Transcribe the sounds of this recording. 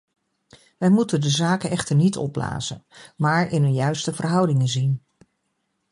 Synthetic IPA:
ʋɛjmutəndəzaːkənɛχtəɹnitʰɔ̰pla̰ːzə̰nmaːɹɪnɦɵnjœɥstəvərɦʌwdɪŋənzin

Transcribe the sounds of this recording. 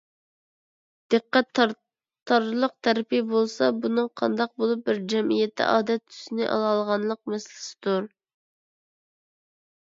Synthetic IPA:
d̪̥ɨqːæt̪ː | t̪ʰːɑɾlˠəq̚t̪ʰɛɾpijbolˠsɑbunɨŋqʰɑ̰nd̪ɑq̚bolˠup̚bɪɾd͡ʒɛmijɛt̪ːɛ̰ʔɑːd̪ɛt̪ʰːy̥sɪnɪʔɑ̰lˠɑlˠʁɑnlˠəq̚mɛsɪlɪ̥sɪ̥d̪uɾ

